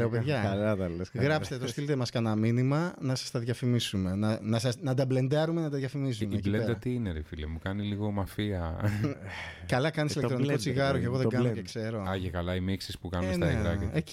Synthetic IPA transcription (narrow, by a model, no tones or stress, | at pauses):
leopeðʝɐlɐt̪ɐlesɣɾɐpst̪et̪ost̪ilt̪emɐskɐnɐminimɐnɐsɐ̥st̪ɐðʝɐfimisume̞nɐnɐsɐsnɐd̪ɐble̞nd̪ɐɾumenɐt̪ɐðʝɐfimisumiecleɾd̪ɐɐt̪iineɾifilimukɐniliɣo̞mɐfiɐ | kɐlɐkɐnisilkkt̪ɾniko̞t͡siɣɐɾoceɣoðeɡɐnocekse̞ɾo̞ɐʝekɐlɐimiksispukɐnumesnɐeiɾɐeci